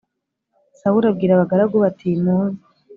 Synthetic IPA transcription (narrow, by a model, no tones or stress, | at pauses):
sawuɾab̚ɡiːɾaβaɡaɾaɡoβatʰimuzi